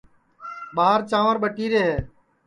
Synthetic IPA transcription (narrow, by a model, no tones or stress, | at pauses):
ɓaːəɾt͡ʃãːʋəɾɓəʈiːɾeːɦeː